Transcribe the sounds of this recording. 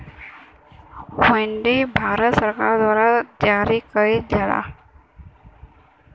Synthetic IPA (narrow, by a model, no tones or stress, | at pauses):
weɳɖibʱaːɾət̪səɾkaɾd̪waːɾad͡ʒaɾikəɾid̪ʱala̰